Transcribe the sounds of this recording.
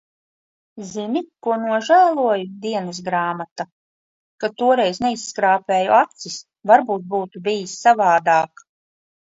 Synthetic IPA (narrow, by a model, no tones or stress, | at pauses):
zinikuɔnuɔʒæːlˠuɔjud̪iɛnɨs̬ɡɾaːmat̪a | kat̪uɔɾɛjzneisːkɾaːpʲeːjṵʔat̪sis | vaɾbuːt̪̚buːt̪ubijisːavaːd̪aːk